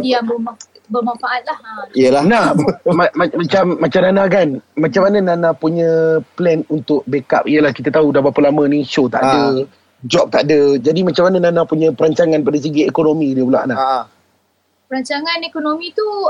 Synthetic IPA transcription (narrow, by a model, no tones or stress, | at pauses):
jabə | bərmãɱfaʔat̪̚lahiəlanahmamamat͡ʃamːat͡ʃamnanakanmãt͡ʃamːanənãnapuɲə̃plɛnunt̪ʊk̚beka̰p̚iəlahkit̪at̪audabapəlamə̃niʃot̪a̰ʔdə | d͡ʒɔp̚t̪aʔdəd͡ʒadimãt͡ʃamanənanapuɲə̃pəɾaɲt͡ʃaŋãnpadas̬əɡiekonomĩdiəpula̰ʔnaʔ | pəɾaɲt͡ʃaŋãnekonomĩt̪u